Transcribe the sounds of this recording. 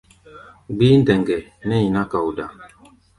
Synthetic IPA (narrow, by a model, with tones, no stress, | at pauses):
ɡ͡biː˦n̩˦dɛ˨ŋɡɛ˨nɛ˦i˨na˦ka˨u˨da˨